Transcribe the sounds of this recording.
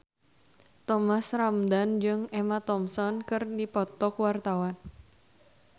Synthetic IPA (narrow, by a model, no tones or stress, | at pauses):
t̪ɔmasramdand͡ʒɨŋɛmat̪ɔmsɔnkɨrdipɔt̪ɔkwart̪awan